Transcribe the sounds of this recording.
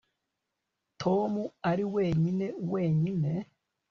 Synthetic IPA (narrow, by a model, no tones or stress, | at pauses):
tʰo̞muaɾiwe̞ːɲine̞uwe̞ːɲine̞